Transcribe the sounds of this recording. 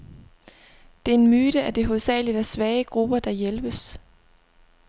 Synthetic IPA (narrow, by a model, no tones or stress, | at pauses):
d̥e̝æe̝nmyːɾ̥əæd̥e̝ɦo̝ðˠsɛ̰ːlid̥æsʋɛːəɡ̥ʁub̥ɐd̥ɑ̈jelb̥əs